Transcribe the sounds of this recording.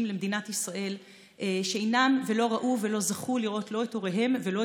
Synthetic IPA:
mlemd̪inat̪isʁaʔe̞l | ʃeejnamve̞lo̞ʁaʔuve̞lo̞zaχuliʁʔo̞t̪lo̞eto̞ʁeɦe̞mvelo̞

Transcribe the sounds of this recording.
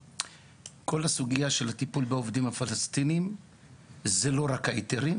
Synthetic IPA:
kʰo̞lasuɡijaʃe̞lhat̪ipulbeovdimhafalast̪inim | zelo̞ʁakaiteɾi

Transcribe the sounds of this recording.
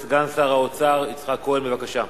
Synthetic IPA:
sɡansaʁaot͡saʁit͡sχakoenbevakaʃa

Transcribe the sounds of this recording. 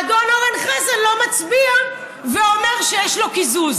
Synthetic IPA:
ad̪onoʁanχazalo̞mat͡sbia | veomeʁʃejɛʃlokizuz

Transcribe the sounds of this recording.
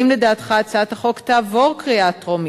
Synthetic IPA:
imledaːt̪χat͡sat̪aχo̞kt̪aːvo̞ʁkʁiat̪ʁomi

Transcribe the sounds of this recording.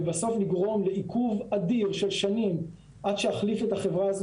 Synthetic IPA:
baso̞fliɡʁo̞mle̞ikʰuvad̪iʁʃelʃanim | ʔad̥ʃehaχlifet̪haχe̞vʁaaz

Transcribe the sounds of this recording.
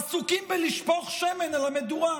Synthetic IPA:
sukimbeliʃpoχʃemenalamedua

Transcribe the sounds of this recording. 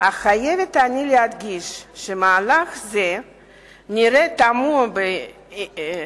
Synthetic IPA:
aχajevet̪anilead̪ɡiʃʃemaːlaχze | niɾet̪amube

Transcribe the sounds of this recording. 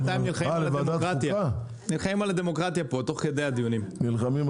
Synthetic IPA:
t̪ajimnilχaialeavaedaʁat̪jaa | nilχaimalad̪emo̞kʁat̪japot̪o̞χked̪ejad̪ijunimnilχamim

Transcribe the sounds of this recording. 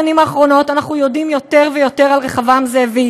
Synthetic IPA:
animaːχʁo̞no̞tanaχnujo̞dimjo̞te̞ʁvejo̞te̞ʁalʁeχavamzevei

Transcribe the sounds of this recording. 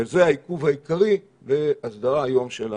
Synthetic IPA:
zeaikuvhaikaʁi | veasd̪aʁajomʃela

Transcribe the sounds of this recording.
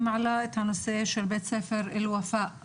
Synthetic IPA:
maʕalaʔɪt̪hanʊseːʃaɾbeːt̪seːfɪɾɪlwafaːʔ

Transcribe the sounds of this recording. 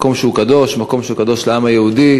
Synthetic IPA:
ko̞mʃeukad̪o̞ʃmako̞mʃeukad̪o̞ʃlaamajeud̪i

